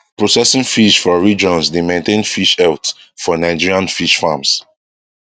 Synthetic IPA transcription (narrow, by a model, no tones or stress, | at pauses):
pɹɔsɛsĩŋfiʃfɔɹid͡ʒɔ̃nsdemẽntẽnfiʃɛlt | fɔnaɪd͡ʒiɹiãnfiʃfãms